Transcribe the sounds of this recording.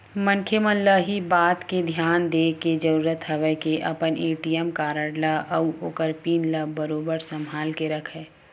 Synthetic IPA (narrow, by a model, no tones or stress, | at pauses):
mə̃ŋkʰemənləɦibaːt̪ked̪ʱjaːnd̪eːked͡ʒəɾuːɾət̪ɦəʋəkeʔɐpəneːʈijɛmkaːɾəɽlaʔəuoːkəɾpiːnləbəɾoːbəɾsəmʱaːlkeɾəkʰɛː